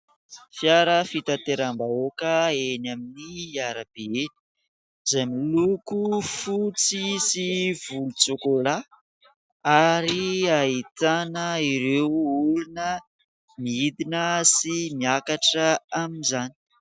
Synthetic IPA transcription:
fjaɾəfit̪at̪eɾambaokəenaminiaɾab̥eeni̥ | zajmilukufut͡sisiv̥ulut͡sokola | aɾiait̪anəiɾewulunə | miid̪inəsimiakaʈ͡ʂəaminzani̥

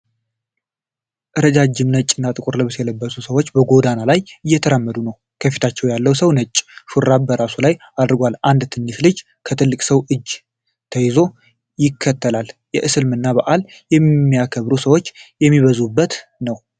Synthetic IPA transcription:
ʔɨɾəd͡ʒad͡ʒːɪmnət͡ʃʼːɨnːat̪ʼɨkʼuɾləβɨsjɛləbːəsusəwot͡ʃːbəɡo̞d̪analajɨjːɛt̪ʰəɾamːəd̪unəw | kʰəfit̪ʰat͡ʃːɛwjalːəwsəwnət͡ʃʼːʃuɾabəɾasulaj | ad̪ɾɡʷaland̪t̪ʰɨnːislɨd͡ʒ | kʰət̪ʰɨlːɨkʼsəwʔɨd͡ʒ | t̪ʰəjɪzo̞ | jɪkʰːət̪ʰːəlaljɛʔɨsɨlmɨnːaβəʔal | jɛmːijakʰəβɾusəwo̞t͡ʃːjɛmːiβəzubːət̪nəw

